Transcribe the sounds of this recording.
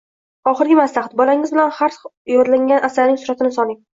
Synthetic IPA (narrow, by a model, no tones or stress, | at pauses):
ɒχɨɾɡʲɪmaslaht̪bɒlaŋɪzbɪlanhaɾsjɒd̪laŋʲanʔasalnɪŋsʊɾat̪ʰɪnɪsɒlˠɪŋ